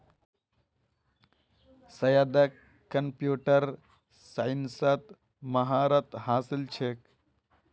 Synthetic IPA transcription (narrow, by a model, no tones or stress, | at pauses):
sɐjad̪əkː | əmpjuːʈəɾ | sajnsət̪ | mɐɦaːɾət̪haːsilt͡ʃʰek